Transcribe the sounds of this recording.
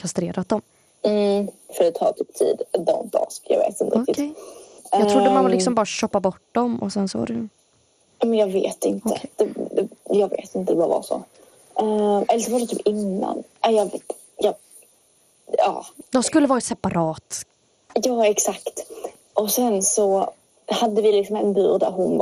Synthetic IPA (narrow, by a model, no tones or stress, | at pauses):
kʰast̪ɾeːɾʔat̪̚d̪ɔm | m̩fœɾɛt̪ʰɑ̰ːt̪ʰyːp̚t̪ʰḭːd̪d̪ɔnt̪̚d̪ɑ̰ːskjɑ̰ɡvḛːt̪ɪnt̪əɾɪ | jɑʊdːəmanvalɪksɔmbɑːɾaɕɔpːabɔʈːdɔmʔɔ̰sɛnsɔva̰dɛj | ɑmɛnjɑːɡvḛːt̪ɪntəd̪̥ɛɛjɑːɡvḛːt̪ɪnt̪əvava̰ʂɔ̰ | ɛɛlːəsɔvaɾɛt̪ʰyːpɪnːa̰nʔajɑveːt̪ | jɑ | ɑ̰ːd̪ɔmskɵlːəvɑːɾasɛpaɾɑːt̪ | jɑːɛksakt̪ | ʔɔsɛnsɔ | had̪ːəvɪlɪksɔmɛnbʉːɾd̪æ̰ɾɦʊn